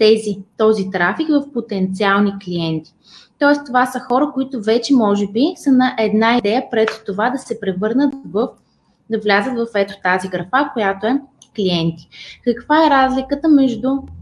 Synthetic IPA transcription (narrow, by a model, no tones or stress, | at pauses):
t̪ɛzit̪ɔzit̪ɾafikvɐfpot̪ɛnt̪sialˠnikliɛnt̪i̥ | t̪ɔɛst̪ovasəxɔɾəkoit̪ʊvɛt͡ʃɛmɔʒɛbisənɐʔɛd̪naid̪ɛjəpɾɛt̪t̪ovad̪ɐsɛpɾɛvɤɾnət̪vf | d̪ɐvlʲazət̪vɐfɛt̪o̥t̪aziɡɾɐfakojat̪oɛkliɛnt̪i̥kɐkvaɛɾazlʲikət̪əmɛʒd̪ʊ